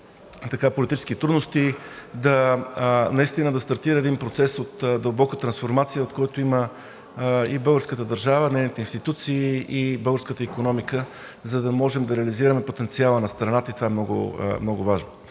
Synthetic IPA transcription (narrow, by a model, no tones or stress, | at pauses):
t̪ɐkapolit̪it͡ʃɛ̥skit̪ɾud̪nost̪id̪ɐ | nɐist̪inəd̪ɐst̪ɐɾt̪iɾəɛd̪inpɾot̪sɛsot̪d̪ɐlˠbɔkət̪ɾɐnsfoɾmat̪sijəot̪kɔjt̪oimə | ibɤlˠɡəɾskət̪əd̪ɐɾʒavədnɛjnit̪ɛinst̪it̪ut̪siːibɤlˠɡəɾskət̪əikonɔmikə | zɐd̪ɐmɔʒɛmd̪ɐɾɛɐliziɾəmɛpot̪ɛnt̪sialˠənɐst̪ɾɐnat̪əit̪ovaɛmnɔɡʊ̰mnɔɡʊvaʒno